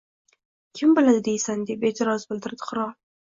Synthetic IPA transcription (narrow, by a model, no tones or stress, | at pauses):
kʲʰɪmbɪlad̪ɪd̪ejsand̪ibed͡ʒ̪ʰɪɾɑzbɪld̪ɪɾd̪ɪ̥χʊɾɑ